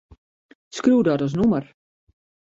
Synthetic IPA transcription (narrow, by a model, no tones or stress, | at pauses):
skruːdɔtɔs̬numər